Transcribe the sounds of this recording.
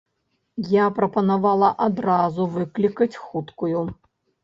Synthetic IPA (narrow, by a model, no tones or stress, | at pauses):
japɾɐpɐnavalˠɐʔad̪ɾazuvɨklʲikɐt͡sʲxut̪kuju